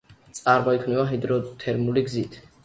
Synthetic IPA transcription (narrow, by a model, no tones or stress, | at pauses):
t̪sʼaɾbaikʰvnɛvaɦid̪ɾɔt̪ʰɛɾmuliɡzit̪ʰ